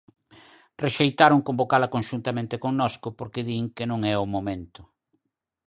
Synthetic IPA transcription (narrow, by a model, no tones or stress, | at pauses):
reʃejt̪aɾʊŋkombokalɐkoŋʃunt̪ɐmẽnt̪ɪkoŋnɔskʊpoɾkɪðiŋkɪnõŋɛʊmomẽnt̪ʊ̥